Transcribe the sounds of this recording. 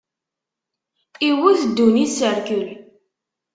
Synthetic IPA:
iwuθd̪ːunisəɾkəl

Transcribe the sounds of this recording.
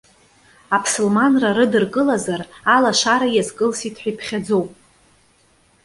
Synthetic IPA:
apʰsɨlmanraɾɨdɨrkʼɨlazaralaʃaɾajazkʼɨlsitʰħʷᶣijpʰχʲad͡zo̞wpʼ

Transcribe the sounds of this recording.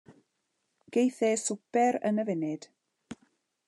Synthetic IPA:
ɡ̥ejθɛsʊpɛɾə̰nəvɪnɪd̥

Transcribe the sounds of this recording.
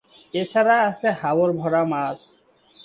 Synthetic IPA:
et͡ɕʰaɾaasʰehawoɾbʱɔɾamat͡ɕ

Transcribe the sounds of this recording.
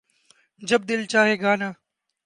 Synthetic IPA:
d͡ʒəb̚d̪ɪlt͡ʃaːɦeːɡaːnaː

